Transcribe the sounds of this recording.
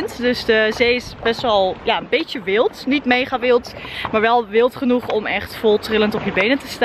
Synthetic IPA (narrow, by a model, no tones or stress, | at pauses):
ntdɵsdəzejɪsbɛstʋɛlˠjaːənbetəʋɪlˠtnitmejχaʋɪlˠtmaːɹʋɛlˠʋɪlˠtχənuχɔmɛχtfolˠtrɪləntɔpjəbejnətəst